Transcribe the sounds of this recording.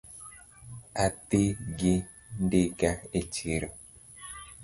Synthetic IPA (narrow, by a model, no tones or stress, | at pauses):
ateɡe | ndeɡaet͡ʃeɾɔ